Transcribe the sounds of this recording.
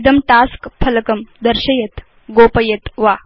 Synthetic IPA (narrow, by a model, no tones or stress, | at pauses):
d̪ɐmʈaskpʰɐlɐkɐmd̪əɾɕɐjɐt̪ | ɡoːpɐjɐt̪ʋa